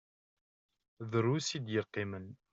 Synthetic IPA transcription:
ðəɾːusid̪jəlqːimən

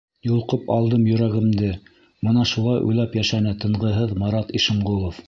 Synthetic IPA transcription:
julˠqɤpɑlˠd̪ɤmjɵ̆ɾæɡɘ̆md̪ɘ | mɤnɑʃulˠɑjʔɵ̰jlæpjæʃænɘt̪ɤ̆ɴʁɤ̆ɦɤðmɑɾɑt̪iʃɤ̆ɴʁulˠof

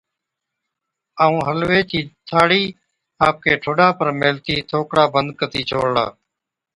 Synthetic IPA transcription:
aːũːɦəlʋeːt͡ʃiːt̪ʰaːɽiː | aːp̚kʰeːʈʰoːɗaːpəɾmeːlt̪iːt̪ʰoːkɽaːbənd̪kət̪iːt͡ʃʰoːɽla̰ː

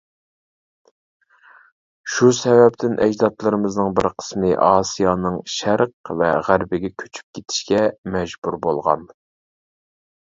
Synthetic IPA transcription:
ʃusɛvɛpt̪ʰɪnʔɛ̰d͡ʒd̪ɑt̪lˠɨɾɨmɨznɨŋbɪ̰ɾqʰə̥smɨʔɑːsijɑːnɨŋʃæɾqvɛʁæɾbɪɡʲɛkʲʰø̥t͡ʃʰy̥p̚kʲʰet̪ʰɪ̥ʃkʲɛmɛd͡ʒbuɾbolˠʁɑ̰n

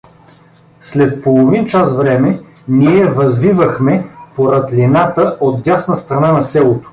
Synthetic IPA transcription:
slɛt̪̚polˠovint͡ʃasvɾɛmɛ | niɛvɐzvivəxmɛpoɾɐd̪lʲinat̪əot̪ɡʲasnəst̪ɾɐnanɐsɛlˠot̪o̥

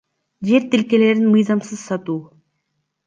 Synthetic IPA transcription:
d͡ʒe̞ɾt̪ɪlkʲe̞le̞ɾɪnmɯjzɑmsɯz̥sɑt̪uː

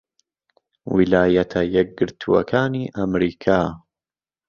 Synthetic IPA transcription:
wilaːjɐt̪ʰɐjɛk̚ɡɨɾt̪ʰuɐ̰kʰaːniːʔɐmɾiːkʰaː

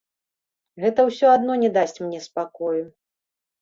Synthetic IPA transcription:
ɣɛt̪ɐwsʲɔad̪nɔnʲɛd̪asʲt͡sʲmnʲɛspakɔju

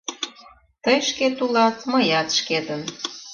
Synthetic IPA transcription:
t̪əjʃket̪ulɑt̪məjɑt̪ʃket̪ən

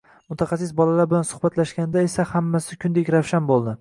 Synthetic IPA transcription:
mʊt̪ʰaχɑs̬ɪs̬bɒlalaɾbɪlansʊ̥χbat̪laʃɡʲand̪aesahamːasɪkʲʰʊnd̪ekʲɾawʃanbolˠd̪ɪ

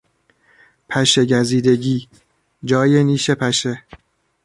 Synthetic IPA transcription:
pʰæʃeɟæziːd̪e̞ɟiː | d͡ʒɒːjeniːʃe̞pʰæʃe

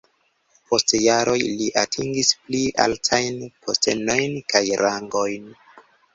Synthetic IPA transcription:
po̞stjaɾʔo̞jliʔatʰiŋɡispliʔa̰ltʰajnpʰo̞ste̞̰no̞jnkʰajɾʔaŋɡojn

